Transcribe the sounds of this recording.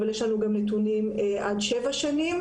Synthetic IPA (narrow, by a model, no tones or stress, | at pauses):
valjeʃlanuɡamnet̪unimʔadʃevaʃanim